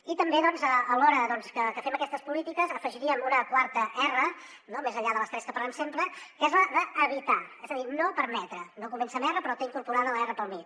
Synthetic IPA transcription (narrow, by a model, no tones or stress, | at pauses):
it̪əmbeðɔnzəəlɔɾəðɔnskəkəfɛməkɛst̪əspulit̪ikəzəfəʒiɾiəmunəkwaɾt̪əʔɛrə | nomezəʎaðələst̪ɾɛskəpəɾlɛmsempɾəkɛzləðəəβ̞it̪aɛzəðinopəɾmɛt̪ɾənokumɛnsəmɛrəpɾɔt̪eiŋkuɾpuɾaðələɛrəpəlˠmit̪